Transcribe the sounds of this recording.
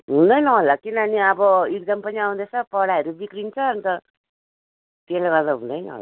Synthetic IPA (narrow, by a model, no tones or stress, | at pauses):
ɦũnd̪ʌjnʌɦolːakinʌniʌbʌeɡ̚d͡zʌmpʌniaw̃d̪et͡sʰʌpʌɽaʌɾub̪ikɾint͡sʰʌːnit̪ʌ | t̪elaɡʌrd̪aɦũnd̪ʌjnʌ̰ɦo̰l